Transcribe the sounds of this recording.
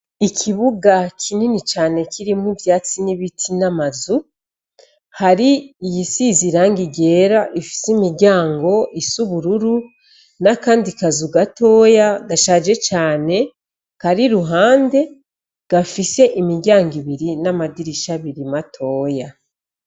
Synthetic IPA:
ikʰiβuɡakʰininit͡ʃaːne̞kʰiɾimuvjaːt͡siniβitʰinamazu | haɾiːjisiziɾaːŋɡiɟe̞ːɾaʔifi̥simiɾɟaːŋɡo̞ʔisuβuɾuɾu | nakaːndikazuɡato̞ːjaɡaʃad͡ʒe̞t͡ʃaːne̞ | kaɾiɾuɦaːnde̞ | ɡ̥afise̞ʔimiɾɟaːŋɡiβiɾinamadiɾiʃaβiɾimatʰo̞ːja

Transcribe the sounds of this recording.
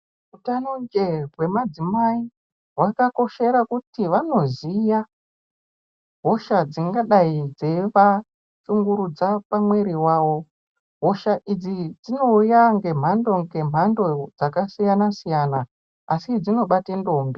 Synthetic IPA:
utanond͡ʒe̞rwe̞mad͡zimai | ɦwakako̞ʃe̞ɾakutiʋano̞zija | ɦo̞ʃad͡ziŋɡaɗaid͡zeʋa | suŋɡuɾud͡zapamwe̞ɾiwaːwo̞ | ɦo̞ʃaʔid͡zid͡zino̞ujaŋɡe̞m̤ando̞ŋɡe̞m̤ando̞d͡zakasijanasijanaː | sid͡zino̞ɓatendo̞mbe

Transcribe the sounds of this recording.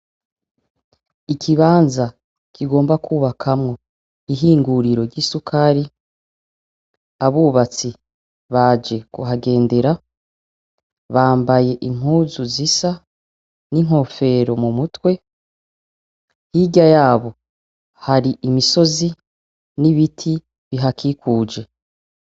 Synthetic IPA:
ikʰiβaːnza | kʰiɡo̞ːmbakuːβakʰamŋo̞ | iɦiːŋɡuɾiɾo̞ɾɟisukʰaɾi | aβuːβat͡si | βaːd͡ʒe̞ɡ̥uɦaɡe̞ːnde̞ɾa | βaːmbaje̞ʔim̥uːzuzisa | niŋ̥ho̞fe̞ɾo̞mumutwe̞ | hiɟajaːβo̞ | haɾiʔimiso̞zi | niβitʰi | βiɦakʰikuːd͡ʒe̞

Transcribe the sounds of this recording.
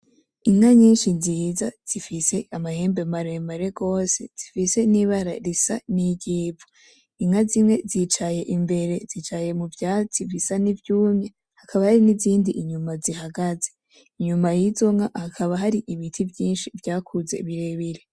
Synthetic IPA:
iŋaɲiːnʃiziːzaz̥ifise̞amahe̞ːmbemaɾe̞maɾe̞ɡo̞ːse̞̰z̥ifise̞niβaɾaɾisa̰niɟiːvo | iŋazimŋe̞zit͡ʃaje̞ʔimbe̞ɾe̞zit͡ʃaje̞muvjaːt͡sivisanivjuːmɲe | hakʰaβahaɾiniziːndiʔiɲumazihaɡaze̞̥ | iɲumajizo̞ŋahakʰaβaɦaɾiʔiβitʰivjiːnʃivjaːkʰuze̞βiɾe̞βiɾe

